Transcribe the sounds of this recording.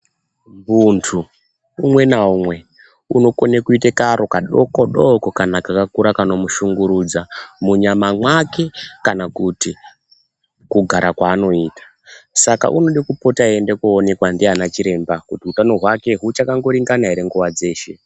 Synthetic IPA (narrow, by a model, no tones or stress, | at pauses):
muntʰu | umwe̞naumwe̞ | uno̞konekuitekaɾo̞kaɗokoɗokokanakakakuɾakano̞muʃuŋɡuɾud͡zamuɲamamwake̞kanakuti | kuɡʱaɾakwaːno̞iːtḁ | saka̰ʔuno̞ɗikupo̞taendekuːne̞kwandianat͡ʃiɾe̞mbakutiutano̞ɦwake̞ɦut͡ʃakaŋɡo̞ɾiŋɡanaɦeɾe̞ŋɡuʋad͡ze̞ːʃe̞